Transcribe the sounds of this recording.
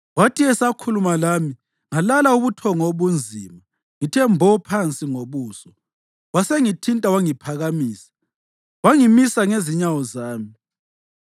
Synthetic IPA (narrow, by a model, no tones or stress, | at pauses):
watʰʼiɛsakʰulumalami | ŋalalauβutʰɔŋoβund͡zʱiːma | ŋitʰɛmbʱɔpʰant͡sʼiŋoβuːsɔ | waseŋitʰintʼawaŋipʰaɣamiːsḁ | waŋimisaŋeziɲawɔzaːmi